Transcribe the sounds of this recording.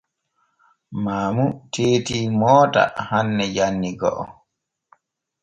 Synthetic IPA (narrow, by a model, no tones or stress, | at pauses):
maːmutʰeːtiːmɔːta̰hanːɛjanːiɡɔ̰ʔɔ̰